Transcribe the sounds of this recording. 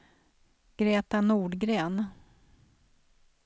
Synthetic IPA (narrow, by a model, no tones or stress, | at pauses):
ɡ̥ɾeːt̪anuːɖɡɾeːn